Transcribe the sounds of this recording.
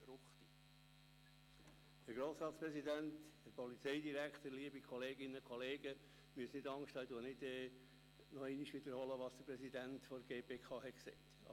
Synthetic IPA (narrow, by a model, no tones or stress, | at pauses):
ɾʊχt̪i | hæɾɡɾoːsɾɑːt̪spɾɛsid̪ænthɛɾpɔlit͡sɛɪdiɾækχt̪əɾliːəbikʰɔleːɡɪnːəkʰɔleːɡə | myəsnɪdɑŋʃthɑɪd̪uənɪdɛ | nɔɛniʃʋɪd̪əɾhɔləʋɑːsd̥əpɾɛsidænt̪fɔɾɡeːpeːkʰɑːhɛtksɛɪt̪